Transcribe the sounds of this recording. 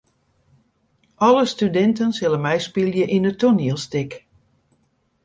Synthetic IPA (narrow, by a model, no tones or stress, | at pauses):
ʔɔləstydɛntənsɪlənmɛjspilˠjəʔinətoniəlˠstɪk